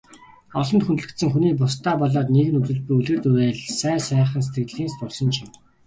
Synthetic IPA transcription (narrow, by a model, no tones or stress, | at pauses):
ɔɮɞ̆nt̪xunt̪̆ɮɘ̆t̪sɘ̆ŋxuniːp̬ʊst̪ʰaːpɔɮaːt̪neɣɘ̆nut͡sɘ̆ɮpujuɮɘ̆rt̪ujeːɮsæːsæːχə̆ns̬e̥t̪ɡɘ̆ɮiːnst̪ʊrsɞ̆nt͡ɕʰɪm